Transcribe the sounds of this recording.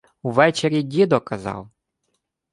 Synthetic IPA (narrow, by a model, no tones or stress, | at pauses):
uʋɛt͡ʃeɾʲidʲid̪ɔkɐzɑ̰w